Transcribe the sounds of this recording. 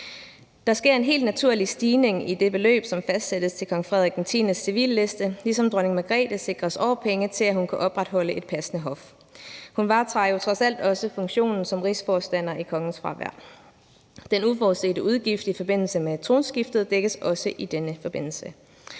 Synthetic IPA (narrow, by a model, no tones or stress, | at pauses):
d̥ɑ̈sɡ̥e̝ɐ̰e̝nɦe̝̰ːld̥̚næt͡sʰuɐ̰lisd̥iːne̝ŋid̥e̝b̥e̝lø̰ːb̥sɒ̽mfæsd̥sed̥əst͡sʰe̝lkʰɒ̽ŋfʁɛðˠiɡʰnt͡sʰḭnəsːiʋḭːlːe̝sd̥əlisɒ̽md̥ʁɶne̝ŋmæɡ̥ʁɛ̰ːd̥əse̝ɡ̥ʁɐsɒʊɐpʰeŋət͡sʰe̝læhunkʰæʔɒ̽b̥ʁad̥ɦɒ̽l̰əʔe̝d̥̚pʰæsənəɦɒ̽f | hunʋɑ̈t͡sʰʁɑ̈jo̝t͡sʰʁɒ̽sæl̰d̥ɒ̽səfɔ̽ŋɕo̝̰ːnn̩sɒ̽mʁisfɒːsd̥æn̰ɐʔikʰɒ̽ŋn̩sfʁɑ̈ʋæ̰ɐ̰ | d̥enufɒːðˠse̝̰ːdəuð̞ˠɡ̥ifd̥ifɒ̽b̥e̝n̰l̩səmet͡sʰʁo̝ːnsɡ̥ifd̥ð̩ˠd̥eɡ̥əsɒ̽səʔid̥enəfɒ̽b̥e̝n̰l̩sə